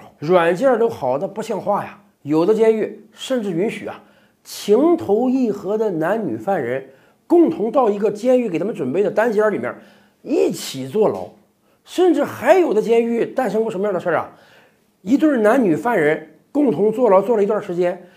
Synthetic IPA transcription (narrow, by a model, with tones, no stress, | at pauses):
ɻwa˨˩nt͡ɕjɛ˥˩t̪o˥ʊxɑ˨˩ʊd̪ə˦pɕjɑ˥˧ŋxwa˥˩ja̰˩ | jo˨˩ʊd̪ə˦t͡ɕjɛ˥ny˥˩ʂə˥˧nʈ͡ʂɻ̩˥˩y˧˥nɕy˨˩ɐ̰˦ | t͡ɕʰi˧˥ŋt̪ʰo˧˥ʊi˥˩xɤ˧˥d̪ə˧na˧˥nny̰˨˩fa˥˩nɻə˧˥n | kʊ˥˩ŋt̪ʰʊ˧˥ŋt̪ɑ˥˩ʊi˧˥ɡə˧t͡ɕjɛ˥ny˥˩ke˨˩ɪt̪ʰm˧ʈ͡ʂwə˨˩npe˥˩ɪd̪ə˩t̪a˥nt͡ɕjɛ˥li˨˩mjə̰˥˧˩ | i˥˩t͡ɕʰi˨˩t͡swɔ˥˩lɑ̰˧˥ʊ | ʂə˥˧nʈ͡ʂɻ̩˥˩xa˧˥ɪjo˨˩ʊd̪ə˦t͡ɕjɛ˥ny˥˧t̪a˥˩nʂ̬ɤ˥ŋkwʂə˧˥mə˧jɑ˥˩d̪ə˧ʂʰə˥˩ɐ̰˨˩ | i˧˥t̪̬wə˥˩na˧˥nny˨˩fa˥˩nɻə˧˥n | kʊ˥˧ŋt̪ʰʊ˧˥ŋt͡swɔ˥˩lɑ˧˥ʊt͡swɔ˥˩lə˩i˧˥t̪wa˥˩ʂɻ̩˧˥t͡ɕjɛ˥n